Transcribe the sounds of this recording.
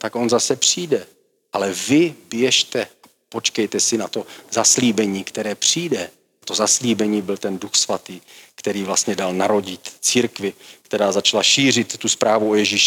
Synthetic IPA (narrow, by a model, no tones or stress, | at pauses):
t̪akʔo̞nzasɛpr̝̥iːdɛ | ʔalɛvɪpjɛʃt̪ɛʔa | po̞t͡ʃkɛjt̪ɛsɪnat̪o̞zasliːbɛɲiːkt̪ɛɾɛːpr̝̥iːdɛ | at̪o̞zasliːbɛɲiːbɪlt̪ɛnduxsvat̪iːkt̪ɛɾiːvlast̪ɲɛdalnaɾo̞ɟɪt̪t͡siːɾkvɪkt̪ɛɾaːzat͡ʃalaʃiːr̝ɪt̪ːuspɾʔaːvuojɛʒiːʃɪ